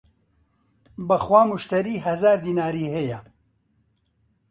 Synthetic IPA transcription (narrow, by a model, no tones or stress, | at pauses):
bɐxwaːmuʃt̪ɐɾiːɦɐzaːɾd̪iːnaːɾiːhejɐ